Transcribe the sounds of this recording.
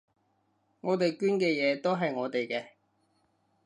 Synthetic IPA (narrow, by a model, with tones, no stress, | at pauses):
ŋɔː˨˧t̪e˨jkyː˥nkɛː˧jɛː˨˧t̪o˥wɦɐ˨jŋɔː˨˧t̪e˨jkɛː˧